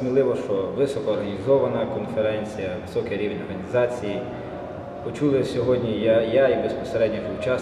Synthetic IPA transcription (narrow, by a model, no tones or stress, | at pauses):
mʲilˠɪʋɔʃt͡ʃɔʋɪsɔkɔːrɦɐnʲizɔʋɐnɐkɔnfeɾɛnʲt͡sʲijɐʋɪsɔkeɾʲiʋnʲɔrɦɐnʲizɑt͡sʲiji | pɔt͡ʃulˠɪsʲɔɦɔdʲnʲijajaibespɔ̥seɾɛdʲnʲɔxʊt͡ʃɑ